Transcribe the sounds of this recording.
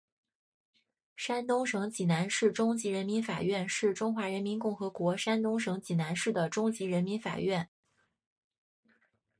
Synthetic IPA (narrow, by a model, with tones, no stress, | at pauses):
ʂa˥nt̪ʊ˥ŋʂɤ˧˥ŋt͡ɕi˨˩na˧˥nʂɻ̩˥˩ʈ͡ʂʊ˥ŋt͡ɕi˧˥ɻə˧˥nmi˧˥nfa̰˨˩ɥɛ˥˧nʂɻ̩˥˩ʈ͡ʂʊ˥ŋxwa˧˥ɻə˧˥nmi˧˥nkʊ˥˩ŋxɤ˧˥kwɔ˧˥ʂa˥nt̪ʊ˥ŋʂɤ˧˥ŋt͡ɕi˨˩na˧˥nʂɻ̩˥˩d̪ə˩ʈ͡ʂʊ˥ŋt͡ɕi˧˥ɻə˧˥nmi˧˥nfa̰˨˩ɥɛ˥˩n